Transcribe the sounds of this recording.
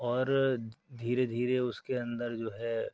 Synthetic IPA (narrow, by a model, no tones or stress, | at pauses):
ɔːɾd̪ʱiːɾed̪ʱiːɾeʊskeɐ̃nd̪əɾd͡ʒoːɦɛ